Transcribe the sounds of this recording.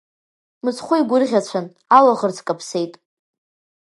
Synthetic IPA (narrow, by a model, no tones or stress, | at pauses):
mɨzχʷʊiɡʷʊrʁʲat͡ɕʷʰan | alaʁərt͡sʰkʼapʰse̞jtʼ